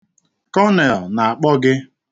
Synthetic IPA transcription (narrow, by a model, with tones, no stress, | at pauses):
kɔ˦ne˨lna˨a˨k͡pɔ˦ɡɪ˦